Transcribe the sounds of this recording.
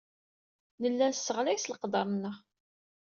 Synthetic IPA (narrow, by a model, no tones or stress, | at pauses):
nəlːænsːəʁlæjsləqd̪ˤɑmnəʁ